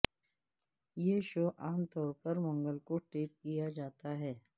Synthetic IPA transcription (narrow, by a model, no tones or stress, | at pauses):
jeːʃoːʔaːmt̪ɔːɾpəɾmɔ̃ŋɡəlkoʈeːp̚kijad͡ʒaːt̪aɦɛː